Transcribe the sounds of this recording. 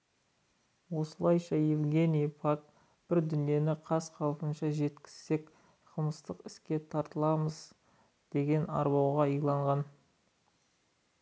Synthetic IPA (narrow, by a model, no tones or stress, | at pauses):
wo̞səlˠɑjʃɑjevɡʲe̞nijpʰak̚ | b̥ɪɾd̪ʏnije̞nɪqʰɑsqʰɑlˠpənʃɑʒe̞t̪kʲɪ̥z̥ːe̞k | qʰəlˠməst̪əqɪskʲe̞t̪ʰɑɾt̪əlˠɑməz | d̪̥e̞ɡʲe̞nɑ̰ɾbɑwʁɑijlˠɑɴʁɑn